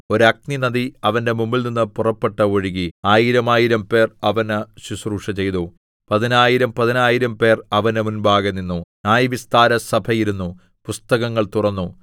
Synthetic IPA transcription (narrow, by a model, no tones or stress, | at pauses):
o̞ɾuɐk̚ninɐðiɐʋɐnde̞mumːilninːɨpurɐpːe̞ʈːɐoɻiɣiaːjiɾɐmaːjiɾɐmpe̞ːrɐʋɐnɨɕusruːʂɐt͡ɕe̞jt̪o | pɐðinaːjiɾɐmpɐðinaːjiɾɐmpe̞ːrɐʋɐnɨmunbaːɣɐnːinːunaːjɐʋist̪aːɾɐsɐbʱʰɐjiɾunːu | pust̪ɐɣɐŋːɐɭt̪urɐnːu